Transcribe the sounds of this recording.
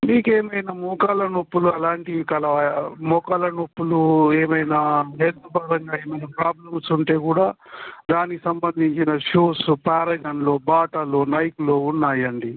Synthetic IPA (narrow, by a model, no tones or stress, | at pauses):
miːkeːmɐjnamɔkaːlɐnopːuluɐlaːɳʈikɐlɐmɔkaːlɐnopːulueːmɐjnaːɦeːt̪ubɐɾɐŋɡaːeːmɐjnapɾaːblɐmsuɳʈe̞ːkuːɽaːd̪aːnikisɐmbɐnd̪ʱiɲt͡ʃinɐʃuːspaːɾɐɡɐnlo̞ːbaːʈɐlo̞ːnɐjɐkulo̞ːunːaːjɐɳɖi